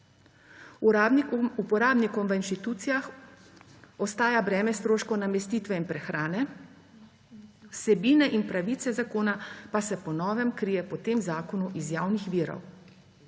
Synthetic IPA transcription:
upɔɾaːbnikɔmʋəinʃt̪it̪uːt̪sijax | ɔst̪aːjabɾɛːmɛst̪ɾoːʃkɔnamɛst̪iːt̪ʋɛinpɾɛxɾaːnɛ | wsɛbiːnɛʔinpɾaʋiːt̪sɛzakoːnapasɛpɔnɔːʋɛmkɾiːjɛpɔt̪eːmzaːkɔnuʔizjaːwnixʋiːɾɔ̰w

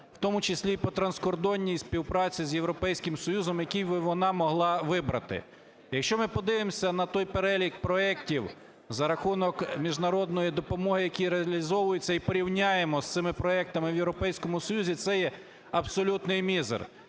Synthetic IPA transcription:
w̥t̪ɔmʊt͡ʃesʲlʲipɔt̪ɾɐnskɔrd̪ɔnʲːijsʲpʲiwpɾɑt͡sʲizjewɾɔpɛjsʲkɪmsɔjuzɔmjɐkʲijʋɪʋɔnɑmɔɦlˠɑʋɪbɾɐ̰t̪ɪ̰ | jɐkʃt͡ʃɔmɪpɔd̪ɪʋɪmsʲɐnɐt̪ɔjpeɾɛlʲikpɾɔɛktʲiw | zɐɾɐxunɔkmʲiʒnɐɾɔd̪̚nɔjid̪ɔpɔmɔɦɪjɐkʲiɾeɐlʲizɔʋʊjet͡sʲːɐipɔɾʲiwnʲajemɔst̪ɪmɪpɾɔɛk̚t̪ɐmɪwjewɾɔpɛjsʲkɔmʊsɔjuzʲit̪sɛjɛ | ɐbsɔlʲut̪nɪjmʲizḛr

